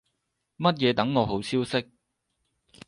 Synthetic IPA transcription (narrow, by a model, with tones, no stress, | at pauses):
mɐ˥t̚jɛː˨˧t̪ɐ˨˥ŋːɔː˨˧ɦo˨˥wt͡sʰiː˥wsɪ˥k̚